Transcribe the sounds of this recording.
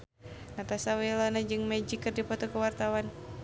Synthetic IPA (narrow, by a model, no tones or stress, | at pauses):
nat̪asawilɔnad͡ʒɨŋmɛd͡ʒikərdipɔt̪ɔkəwart̪awan